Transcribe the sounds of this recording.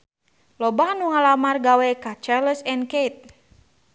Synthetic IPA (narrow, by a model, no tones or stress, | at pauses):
lɔbahnuŋalamarɡawɛkat͡ʃaləsɛnkejt̪̚